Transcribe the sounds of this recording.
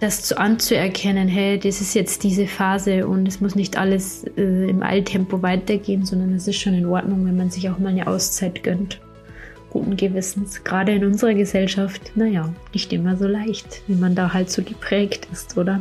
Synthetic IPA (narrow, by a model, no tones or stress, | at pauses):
d̥ast͡suːʔant͡suɛɐkʰɛnənɦɛɪd̥isɪstjɛt͡std̥iːzəfaːzəʔʊ̰ntɛsmʊsnɪçtʔa̰ləs | ʔɛːɪmʔa̰ɪltʰɛmpovaɪtɐɡeːənzɔndɐnasɪstʃoːnɪnʔɔɐtnʊŋvɛnmanzɪçaʊxmaːlnəʔa̰ʊst͡saɪtɡ̥œnt | ɡ̥ṵːtn̩ɡəvɪsn̩sɡ̥ʁaːdəɪnʊnzəʁɐɡəzɛlʃaftnajaːnɪçtʔɪmɐzoːlaɪçtviːmandaːɦaltz̥oːɡəpʁ̥ɛːktɪstʔoːdɐ